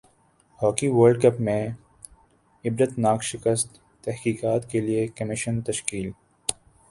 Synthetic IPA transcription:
hɔːkiʋəːɾɖkɐpmẽ | ɪbɾət̪naːkʃɪkəst̪ː | ɛhkiːkaːt̪keliekɐmɪʃənt̪ɐʃkiːl

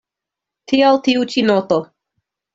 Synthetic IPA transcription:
tʰialtiut͡ʃinoto

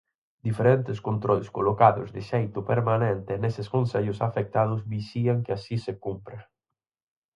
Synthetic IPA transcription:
d̪ifeɾent̪eskont̪ɾɔlskolokaðʊ̰zðɪʃejt̪ʊpeɾmanent̪ɪneseskonseʎʊsafek̚t̪að̞ʊzbisiaŋkeasisekumpɾe

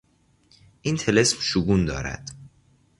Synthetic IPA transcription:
ʔint̪ʰele̞smʃuɡuːnd̪ɒ̰ːɾæ̰d̪̥

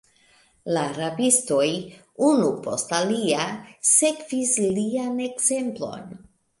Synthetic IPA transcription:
laɾabisto̞j | unupo̞̰staliase̞kvislliane̞ɡz̥e̞mplo̞̰n

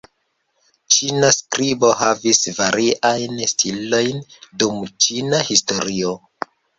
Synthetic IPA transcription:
t͡ʃinaskɾibo̞ɦavisvaɾʔiʔajnstʰilo̞jndumt͡ʃinahisto̞ɾio

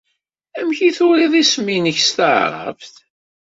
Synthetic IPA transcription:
æmçiθʊɾiðˤisminəçst̪əʕɾˤɑ̰vθ

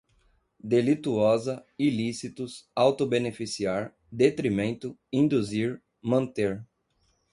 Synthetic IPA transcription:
d̪elit̪uɔzɐilisit̪ʊsawt̪obenefisiaɾ | d̪et̪ɾimẽnt̪ʊĩnd̪uziɾ | mɐ̃nt̪eɾ

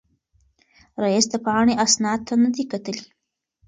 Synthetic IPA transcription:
ɾajisd̪əpɑɳeʔasnɑd̪̚t̪ʰanad̪ikat̪əli

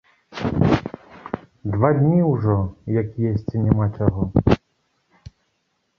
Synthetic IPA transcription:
d̪vad̪ʲnʲiwʐɔjɐkjesʲt͡sʲinʲɛmat͡ʂaɣɔ

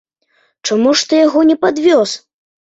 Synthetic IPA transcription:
t͡ʂamuʂt̪ɔjaɣɔnʲɛpad̪vʲɔs

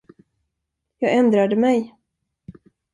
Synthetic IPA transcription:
jɑːɡɛnd̪ɾad̪əmɛj

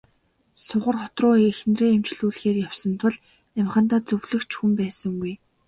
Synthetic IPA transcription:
sʊʁə̆rχɔt̪rʊːxnreːemt͡ɕɮuːɮxeːrjawsə̆nt̪ʰʊ̆ɮ | æmχə̆nt̪aːt͡sɵwɮɘ̆kt͡ɕxumpæːsə̆ŋɡuj

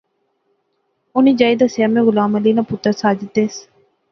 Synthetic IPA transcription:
ʊniːd͡ʒaːjd̪asjaːmẽːɣʊlaːməliːnaːpʊt̪asaːd͡ʒɪt̪eːs

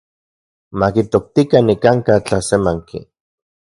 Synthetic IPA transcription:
makit̪ok̚t̪ikanikaŋkat͡ɬasemaŋkḭ

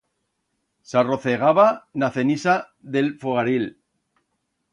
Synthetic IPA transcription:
saro̞θeɣaβanaθe̞nisa | ðe̞lfoɣaɾil

